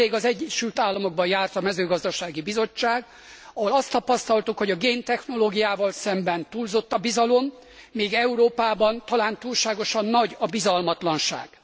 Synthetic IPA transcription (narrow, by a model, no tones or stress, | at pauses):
eːɡɒzɛɟːɛʃylt̪aːlːɒmo̞ɡ̚bɒjaːrt̪ɒmɛzøːɡɒzd̪ɒʃaːɡibizo̞t͡ʃːaːɡ | ɒɦolɒst̪ɒpɒst̪ɒlt̪ukho̞ɟɒɡeːnt̪ɛxno̞loːɡijaːvɒlsɛmbɛnt̪uːlzo̞t̪ːɒbizɒlo̞m | miːɡɛuɾoːpaːbɒnt̪ɒlaːnt̪uːlʃaːɡo̞ʃɒnːɒɟɒbizɒlmɒt̪lɒnʃa̰ːɡ̥